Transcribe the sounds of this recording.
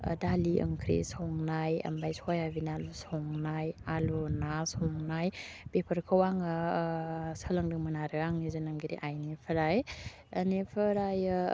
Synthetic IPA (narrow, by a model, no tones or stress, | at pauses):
daliə̰ŋkʰɾḭsɔŋnajɐ̰mbajsʰɔjabinalusɔŋnajalunasɔŋnajpepʰəɾkʰəwaŋ | səlaŋdɯŋmɯnaɾɯaŋnizɯnaŋɡiɾḭʔajnipʰəɾaj | ənepʰəɾaj